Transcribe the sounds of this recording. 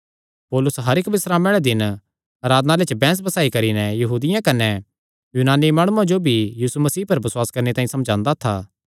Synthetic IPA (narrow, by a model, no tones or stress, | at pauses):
poːlʊsɦɐɾɪkbɪsɾaːmɛɽɭɛd̪ɪn | aɾaːd̪nalet͡ʃbɛ̃ːs̬bɐsaːikɐɾinɛjɐɦuːd̪ɪjãkɐnɛ | junaːnimãːɽ̃uãd͡ʒobʱijiːsumɐsiːpɐɾbɐswaːskɐɾnet̪aːĩsɐmd͡ʒãːnd̪at̪ʰaː